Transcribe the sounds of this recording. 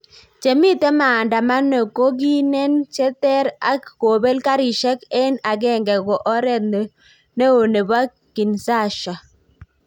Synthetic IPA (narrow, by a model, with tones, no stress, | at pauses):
t͡ʃe˨mi˦t̪e˦ma˨nda˨ma˦no˨ko˦ɡi˦nɛ˦nt͡ʃɛ˦t̪ɛ˦ɾa˦ko˨be˦lka˦ɾi˨ʃɛ˦ke˦na˨ɡɛ˦˨ŋɡɛ˨ɡɔ˨ʔɔ˦ɾɛ˦t̪n | ne˦o˨ne˨ba˦ | ki˨nsa˦˨ʃa˨